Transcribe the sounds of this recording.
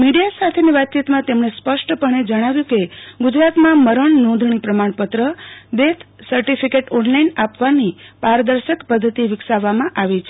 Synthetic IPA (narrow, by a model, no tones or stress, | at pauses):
miɖijasat̪ʰeniʋat̪̚t͡ʃit̪mãt̪emɳespəʃʈəpəɳed͡ʒəɽ̃aʋjũkeɡʊd͡ʒɾat̪mãməɾəɳnɔ̃nd̪ʱɳ̃ipɾəmaɳ̃pət̪ɾəd̪et̪ʰsəɾʈifʰikeʈɔnlainapʋanipaɾd̪əɾʃəkpəd̪ʱːət̪iʋɪksaʋːamãʔaʋit͡ʃʰe